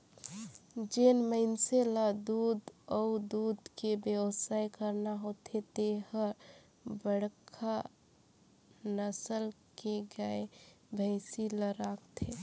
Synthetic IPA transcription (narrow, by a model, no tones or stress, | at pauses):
d͡ʒenməɪnselad̪uːd̪ɔud̪ud̪kebewsajkəɾnaɦot̪ʰet̪eɦə | bəɽkʰa | nəsəlkeɡəebʱəɪsiləɾakt̪ʰe